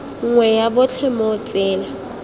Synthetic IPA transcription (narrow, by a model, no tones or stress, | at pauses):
ŋ̩ŋwɛjabʊt͡ɬʰɛmot͡sʼɪːla